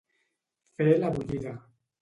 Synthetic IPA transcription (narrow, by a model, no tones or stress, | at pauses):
felaβuʎiða